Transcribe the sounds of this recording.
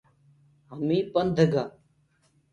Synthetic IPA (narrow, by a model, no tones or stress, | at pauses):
ɦəmĩːpənd̪ʱəɡaː